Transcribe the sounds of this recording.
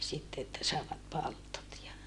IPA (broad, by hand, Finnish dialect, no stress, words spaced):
sitːe etːæ sɑˑeʋɑt pɑltot jɑ